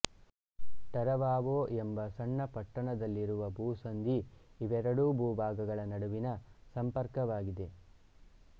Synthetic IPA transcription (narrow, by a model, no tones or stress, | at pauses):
ʈ̪ɐɾɐʋaːʋoːʔembɐsɐɳːɐpɐʈːɐɳɐd̪ɐlːiɾuʋɐbʱuːsɐnd̪ʱiːʋɛɾɐɽubʱuːbʱaːɡɐɡɐɭɐnɐɽuʋinɐsɐmpɐɾkɐʋaːɡid̪e̞